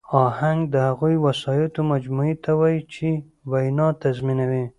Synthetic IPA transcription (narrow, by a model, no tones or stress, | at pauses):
ɑhaŋɡd̪əhaɣujwasɑjɑt̪omad͡ʒmuit̪ʰawɑjit͡ʃe | wajnɑt̪azminawi